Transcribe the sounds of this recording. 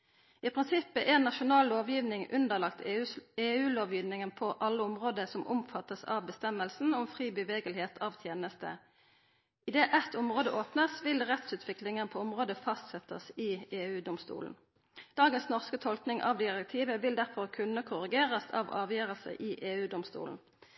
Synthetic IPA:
ɪpʰʁɪnsɪpːəʔɛːnːɑʃʊnɑːlloːʋjiːʋnɪŋʉnd̪əʁlɑkt̪ʰeːʉːloːʋjiːʋnɪŋənpʰɔʔɑlːəʊmʁoːd̪əsɔmʔʊ̰mfɑt̪ːəsɑ̰ʋbəst̪ɛmːəlsn̩ɔmfʁiːbəʋeːɡəlheːt̪ʰɑːʋt̪ʰjeːnəst̪ə̰ | ɪd̪eːʔɛt̪ːʊmʁoːd̪əʔoːpnəsʋɪlʁɛt̪sʉːt̪ʰʋɪklɪŋənpʰoɔmʁoːd̪əfɑst̪sɛt̪ə̰sɪːeːʉːd̪ʊmst̪ṵːln̩ | d̪̥ɑːɡənsnɔʁskət̪ʰɔlknɪŋʔɑ̰ʋd̪ɪʁɛk̚t̪ʰiːʋəʋɪld̪æʁfɔʁkʰʉnəkʰʊʁɪɡeːʁəsɑ̰ʋɑ̰ːʋjøːʁəlsə̰ʔɪʔeːʉːd̪ʊmst̪ṵːln̩

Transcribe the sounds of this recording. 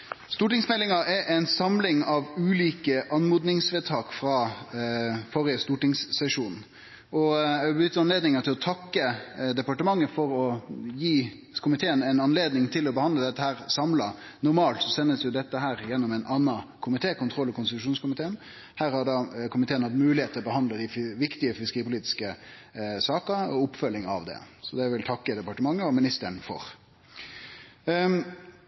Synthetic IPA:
st̪uːʈɪŋsmɛlːɪŋɑɛɾʔɛɪnsɑmlɪŋɑʋʉːliːkəʔɑnmuːd̪nɪŋsʋeːd̪t̪ʰɑːkfɾɑː | fɔɾɪəst̪uːʈɪŋsːɛʂuːn | ʔɔɛɡbjʏt̪ːəɾɑnleːd̪nɪŋɑt̪ʰɪlɔt̪ʰɑkːəd̪ɛpɑʈəmɑŋːəfɔɾɔjiː | kʰʊmɪt̪ʰeːənɛɪnɑnleːd̪nɪŋt̪ʰɪlɔbəhɑnd̪ləd̪ɛt̪ːəhæːʁsɑmlɑ | nʊɾmɑːlt̪sɔsɛnːəsjʊd̪ɛt̪ːəɦæːɾjɛnːɔmɛnɑnːɑkʰʊmɪt̪ʰeːkʊnt̪ʰɾɔlːɔkʊnsɪt̪ʉʂuːnskʊmɪt̪ʰeːən | hæːɾhɑɖ̪ɑːkʰʊmɪt̪eːənhɑt̪mʉːlɪheːt̪ʰːɪlɔbəhɑnd̪ləd̪ɪʋɪkt̪ɪəfɪskəiːpʰʊliːt̪ɪ̥skə | sɑːkəɔʊpːfœlːɪŋɑ̰ʋd̪ɛ̰sɔd̪ɛʋɪlt̪ʰɑkːəd̪ɛpɑʈəmɑŋːəɔmɪnɪst̪əɳfɔ̰ɾ

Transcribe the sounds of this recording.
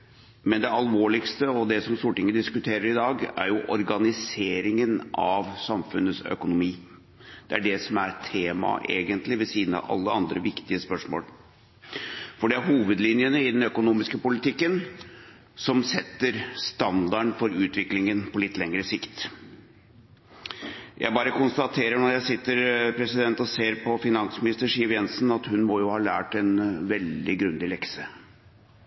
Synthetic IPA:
mɛnd̪ɛɑlʋoːɭɪkst̪əɔd̪ɛsɔmst̪uːɾəʈɪŋːəd̪ɪskʉt̪ʰeːɾəɾɪd̪ɑːɡæ̰ɾjʊʔɔɾɡɑnɪseːɾɪŋənɑʋsɑmfʉnəsœ̰kʊnʊmiː | d̪̥ɛæɖɛsɔmæɾtʰeːmɑ̰ʔḛːɡənt̪lɪʋɛsiːd̪ənɑ̰ʋʔɑ̰lːəɑnd̪ɾəʋɪkt̪ɪəspœʂmo̰ːl | fɔɖɛæɾɦuːʋəd̪lɪnjənəɪd̪ɛnœkʊnuːmɪskəpʊlɪt̪ʰɪkːən | sɔmsɛt̪ːəɾst̪ɑnd̪ɑɳfɔɾʉːt̪ʋɪklɪŋənpʰɔlɪt̪ːlɛŋɾəsɪkt̪ | jʔæ̰ɪbɑːɾəkʊnst̪ɑt̪ʰeːɾəɳɔɾjæɪsɪt̪ːəɾpʰɾɛsɪd̪ɛnt̪ɔseːɾpʰɔfɪnɑnsmɪnɪst̪əʂiːʋjɛnsn̩ɑt̪hʉnmɔjʊhɑːlæ̰ːʈɛnʋɛld̪ɪɡɾʉnd̪ɪlɛksə

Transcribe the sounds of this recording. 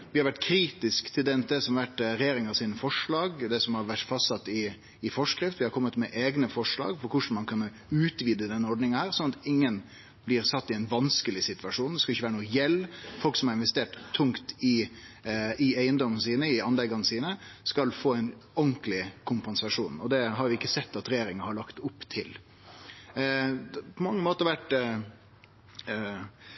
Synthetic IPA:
ʋɪhɑɾʋæʈkʰɾiːt̪ɪskt̪ʰɪld̪ɛnt̪ɛsɔmɑʋæʈːɾɛjeːɾɪŋɑsiːnəfɔʂɭɑːɡd̪ɛsɔmhɑɾʋæʈfɑst̪sɑt̪ːɪː | fɔʂkɾɪft̪ʋɪhɑɾkʰɔmːət̪mɛʔeːɡnəfɔʂɭɑ̰ːɡfɔɾkʰʊʂn̩mɑnkʰɑn | ʉːt̪ʋiːd̪əd̪ɛnːəɔɾɖnɪŋɑhæːɾsɔnɑt̪ɪŋːən | blɪɾsɑt̪ːɪɛɪnʋɑnskəlɪsɪt̪ʋɑʂuːnd̪ɛskɑlɪçːʋæːɾənuːəjɛlːfɔlksɔmɑɾɪnʋɛst̪eːʈt̪ʰːʊŋkt̪ɪ | ɪæɪənd̪ɔmːənəsiːnəɪɑnlɛɡɑnəsiːnəskɑlfoːæɪnɔŋklɪkʰʊmpɛnsɑʂuːnɔd̪ɛɦɑɾʋɪɪkːəsɛt̪ːɑt̪ɾɛjeːɾɪŋɑhɑɭɑkt̪ʊpːt̪ʰɪl | pʰɔmɑŋːəmoːt̪əɾɑʋæʈ

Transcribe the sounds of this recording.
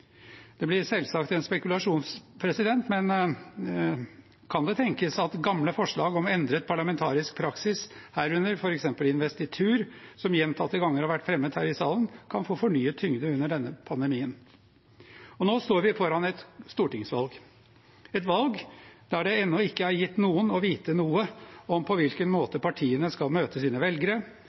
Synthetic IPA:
d̪̥ɛblɪɾsɛlsɑkt̪ɛnspɛkʉlɑʂuːnspʰɾɛsɪd̪ɛnt̪mɛn | kʰɑnd̪ɛt̪ʰɛŋkəsɑt̪ɡɑmləfɔʂɭɑːɡɔmɛnd̪ɾət̪̚pʰɑɭɑmɛnt̪ʰɑːɾɪsk̚pʰɾɑksɪshæːɾʉnːəɾfɔɾɛksɛmpəlɪnʋɛst̪ɪt̪ʰʉːɾsɔmjɛnt̪ʰɑt̪ːəɡɑŋːəɾhɑʋæʈːfɾɛmːəd̪hæːɾɪsɑːlənkʰɑnfoːfɔɳyːət̪ʰʏŋd̪əʉnːəɖɛnːəpʰɑnd̪əmiːən | ɔnoːst̪oːɾʋɪfɔɾɑnɛt̪st̪uːʈɪŋsʋɑlɡ | ɛt̪ʋɑlɡd̪æɖɛɛnːɔɪkːəæɾjɪt̪ːnuːənɔʋiːt̪ənuːəɔmpʰɔʋɪlkənmoːt̪əpɑʈʰiːənəskɑlmøːt̪əsiːnəʋɛlɡəɾə

